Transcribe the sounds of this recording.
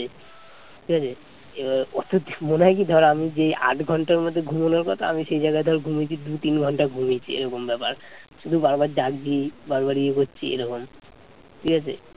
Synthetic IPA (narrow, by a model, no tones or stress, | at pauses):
e | ʈʰikat͡ɕʰe | eaɾot̪ot̪moneɦakid̪ʱɔɾamid͡ʑea̰ʈɡʱɔɳʈaɾmod̪ʱːeɡʱumonaɾkɔt̪ʰaa̰miʃejd͡ʑajɡaed̪ʱɔɾɡʱumit͡ɕʰid̪ut̪inɡʱɔɳʈaɡʱumet͡ɕʰḭḛɾɔkombɛpaɾʃud̪ʱubaɾbaɾd͡ʒaɡd͡ʑibaɾbaɾiekotːt͡ɕʰiḛɾɔkom | ʈʰikat͡ɕʰḛ